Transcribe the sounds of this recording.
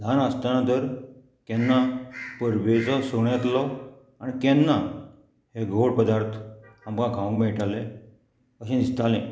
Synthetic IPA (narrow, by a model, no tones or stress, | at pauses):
d̪ʱanəst̪anãt̪əɾ | kɛnːapəɾbet͡sɔsoɳɛt̪lɔ | añikɛnːa | heɡʱoɽpəd̪aɾt̪ʰamkãɡʱaʋwkmɛʈalẽ | əɕẽnist̪alẽ